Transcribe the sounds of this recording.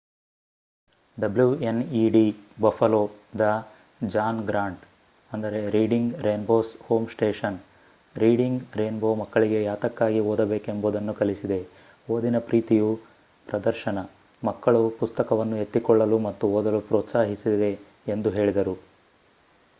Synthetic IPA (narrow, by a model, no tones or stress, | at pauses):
ɖɐbljueniːɖibɐfʰɐloːd̪ɐ | d͡ʒaːnɡɾaːɳʈ | ɐnd̪ɐɾe̞ɾiːɖiŋɡɾeːnboːshoːmsʈe̞ːʂɐn | ɾiːɖiŋɡɾeːnboːmɐkːɐɭiɡe̞jaːt̪ɐkːaːɡioːd̪ɐbeːkemboːd̪ɐnːukɐlisid̪e̞ | oːd̪inɐpɾiːt̪iju | pɾɐd̪ɐɾʃɐnɐ | mɐkːɐɭupust̪ɐkɐʋɐnːuɦe̞t̪ːikɔɭːɐlumɐt̪ːuoːd̪ɐlupɾoːt̪saːɦisid̪e̞ː | nd̪uɦe̞ːɭid̪ɐɾu